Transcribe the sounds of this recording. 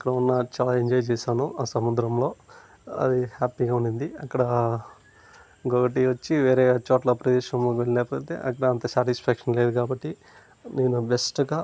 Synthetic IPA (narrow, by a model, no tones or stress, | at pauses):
ɐkːɐɽɐunːɐt͡ʃaːlaːeɲd͡ʒɔːjit͡ʃɛːʃaːnuʔaːsɐmud̪ɾɐmlo̞ː | ɐ̰d̪ihaːpiːɡaːuɳɖind̪iɐkːɐɽɐ | ɡokɐʈ̬iʋɐt͡ʃːiʋeːɾeːt͡ʃɔːʈlɐpɾɐd̪ɛːʃɐmloːkʋeɭːileːpot̪ḛːʔɐkːɐɽɐɐnt̪ɐsaːʈispʰaːkʂɐnleːd̪ukaːbɐʈːi | neːnubesʈɡaː